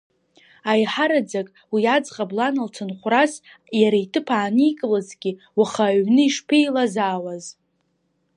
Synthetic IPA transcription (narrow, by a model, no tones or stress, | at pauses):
ajħaɾad͡zakʼ | wiad͡zqʼablanalt͡sʰɨnχʷras | jaɾaitʰɨpʰaːnikʼɨlazɡʲi | waχaɥnɨiʂpʰejlazaːwaz